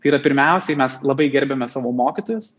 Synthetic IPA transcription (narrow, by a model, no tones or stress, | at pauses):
t̪ɐɪiːɾɐpʲɪɾʲmʲɛʊsʲɛmʲɛslˠɐbɐɪɡʲɛɾʲbʲɛmʲɛsɑːʋoːmoːkʲɪt̪oːjʊs